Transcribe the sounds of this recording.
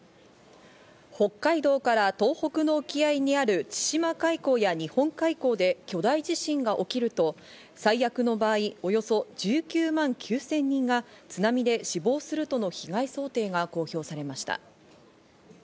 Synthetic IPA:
ho̞kːaid̪o̞ːkaɾat̪o̞ːho̞kɯ̟no̞ɯ̟kʲiaiɲ̟iaɾɯ̟t͡ɕi̥ɕimakaiko̞ːjaɲ̟ihõ̞ŋkaiko̞ːd̪e̞kʲo̞d̪aiʑiɕĩŋɡaʔo̞kʲiɾɯ̟t̪o̞ | saijakɯ̟no̞baːio̞jo̞so̞d͡ʑɨːkʲɨːmãŋkʲʰɨːsẽ̞ɲ̟ːĩŋɡa | t͡sɨnamʲid̪e̞ɕibo̞ːsɨɾɯ̟t̪o̞no̞çiɡaiso̞ːt̪e̞ːɡako̞ːço̞ːsaɾe̞maɕi̥t̪a̰

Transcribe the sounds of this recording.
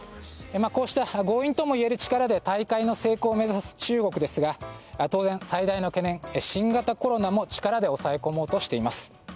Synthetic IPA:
emako̞ːɕi̥t̪aɡo̞ːĩnt̪omoie̞ɾɯ̟t͡ɕi̥kaɾad̪e̞t̪aikaino̞se̞ːko̞ːme̞zasɨ̥t͡ɕɨːɡo̞kɯ̟d̪e̞sɨɡat̪o̞ːzẽsaid̪aino̞ke̞nẽ̞ŋeɕĩŋɡat̪ako̞ɾo̞namo̞t͡ɕi̥kaɾad̪e̞o̞sae̞ko̞mo̞ːt̪o̞ɕi̥t̪e̞imasɨ̥

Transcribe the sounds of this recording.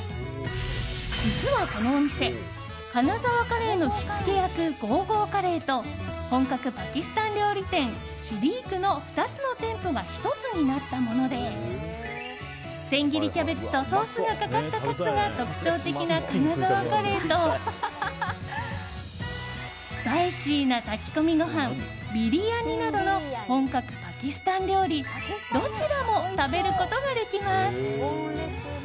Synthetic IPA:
d͡ʑit͡sɨβako̞no̞ːɲ̟ise̞ | kanazaβakaɾe̞ːno̞çi̥kke̞jakɯ̟ɡo̞ːɡo̞ːkaɾe̞ːt̪o̞hõ̞ŋkakɯ̟pakʲisɨ̥t̪ãnɾʲo̞ːɾʲit̪ẽ̞ŋ̃ | ɕiɾʲiːkɯ̟no̞ɸɯ̟̥t̪at͡sɨno̞t̪ẽ̞mpo̞ɡaçi̥t̪o̞t͡sɨɲ̟inat̪ːamo̞no̞d̪e̞ | sẽ̞ŋɡʲiɾʲikʲabe̞t͡sɨ̥t̪o̞so̞ːsɨɡakakat̪ːakat͡sɨɡat̪o̞kɯ̟̥t͡ɕo̞ːt̪e̞kʲinakanazaβakaɾet̪o̞ | spaiɕiːnat̪akʲi̥ko̞mʲiɡo̞ɦãm | bʲiɾʲijaɲ̟inad̪o̞no̞hõ̞ŋkakɯ̟̥pakʲisɨ̥t̪ãnd̪eoɾʲi | d̪o̞t͡ɕiɾamo̞t̪abe̞ɾɯ̟ko̞t̪o̞ɡad̪e̞kʲimasɨ̥

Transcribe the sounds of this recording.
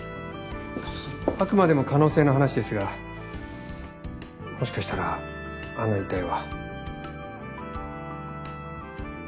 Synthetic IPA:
akɯ̟mad̪e̞mo̞kano̞ːse̞ːno̞ɦanaɕid̪e̞sɨɡa | mo̞ɕi̥kaɕi̥t̪aɾa | anoit̪aiβa

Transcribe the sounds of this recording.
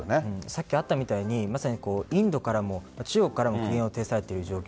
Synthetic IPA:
neɯ̟̃ɴsakʲːiat̪ːamʲit̪aiɲ̟imasaɲ̟iko̞ːĩnd̪o̞kaɾamo̞mat͡ɕijo̞kːaɾamo̞kkiɡẽɰ̃o̞t̪e̞ːsaɾe̞t̪eɾɯ̟ʑo̞ːkʲ

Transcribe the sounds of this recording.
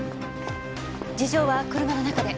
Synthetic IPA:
d͡ʑiʑo̞ːβakɯ̟ɾɯ̟mano̞nakad̪e̞

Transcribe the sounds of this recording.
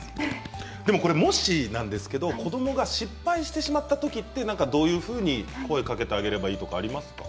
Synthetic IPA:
d̪e̞mo̞ko̞ɾe̞mo̞ɕinãnd̪e̞sɨ̥ke̞d̪o̞ko̞d̪o̞mo̞ɡaɕipːaiɕi̥t̪e̞ɕimat̪ːat̪o̞kʲit̪ːe̞nãŋkad̪o̞ːjɯ̟ːɸɯ̟ːɲ̟iko̞e̞kake̞t̪e̞aɡe̞ɾe̞baiːt̪o̞kaːɾʲimasɨ̥ka̰

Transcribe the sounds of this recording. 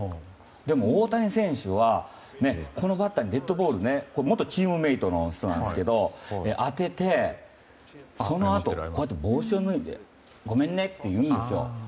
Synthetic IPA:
d̪e̞mo̞oːt̪aɲĩsẽ̞ɰ̃ɕɨβa | ne̞kʰo̞no̞bat̪ːaɲ̟id̪e̞t̪ːo̞bo̞ːɾɯ̟neko̞mo̞t̪ːot͡ɕiːmɯ̟me̞it̪o̞noɕt̪onã̰nesɨ̥ked̪o̞eʔat̪e̞t̪e̞ | so̞no̞at̪oko̞jat̪̬ːebo̞ːɕoːnɯ̟id̪ḛ | ɡo̞mẽ̞nːe̞t̪ːe̞jɯ̟̃ːnd̪e̞sɨjo̞̰

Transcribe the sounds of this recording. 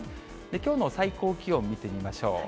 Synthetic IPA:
d̪̥e̞kʲo̞ːno̞saiko̞ːkʲio̞mmʲːit̪e̞mʲimaɕo̞̰ː

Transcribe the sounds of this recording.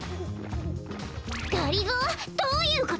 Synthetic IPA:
ɡ̪̥aɾʲiɡod̪̥oːjɯ̟ːko

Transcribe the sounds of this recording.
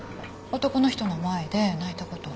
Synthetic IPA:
ot̪o̞ko̞no̞çi̥t̪o̞no̞mae̞d̪e̞nait̪ako̞t̪o̞

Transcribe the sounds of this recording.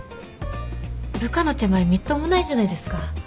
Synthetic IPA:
bɯ̟kano̞t̪e̞maemʲit̪ːomonaiʑanaid̪e̞sɨ̥ka

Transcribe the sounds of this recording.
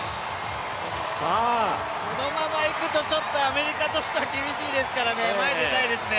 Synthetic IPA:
sa | sono̞mamaikɯ̟t̪o̞t͡ɕo̞t̪ːo̞ame̞ɾʲikat̪o̞ɕi̥t̪eβakʲibʲiɕiːd̪e̞sɨ̥kaɾanemaet̪e̞t̪aid̪e̞sɨne

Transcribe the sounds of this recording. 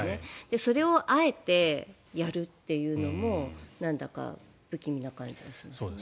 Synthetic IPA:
ned̪̥e̞so̞ɾe̞o̞ʔae̞t̪e̞ | jaɾɯ̟t̪ːe̞jɯ̟ːno̞mo̞nãnd̪aka̰ | b̥ɯ̟kʲimʲinakãɲ̟d͡ʑiβaɕi̥mas

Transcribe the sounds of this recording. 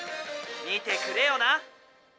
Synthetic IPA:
ɲiːt̪ekɯɾejona

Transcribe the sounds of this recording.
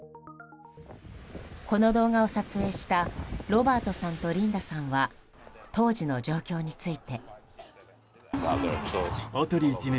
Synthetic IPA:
ko̞no̞d̪o̞ːɡao̞sat͡sɨe̞ːɕi̥t̪aɾo̞baːt̪o̞sãnt̪o̞ɾʲĩnd̪asãɰ̃βa | t̪o̞ːʑino̞d͡ʑo̞ːkʲo̞ːɲ̟it͡sɨit̪e̞ | ot̪oɾʲiːt͡ɕine

